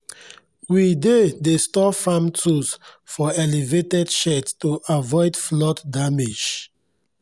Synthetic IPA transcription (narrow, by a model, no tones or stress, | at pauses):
widedestɔfãmtʰusfɔɛlivetɛdʃɛttuʔavɔɪdflɔtdamed͡ʒ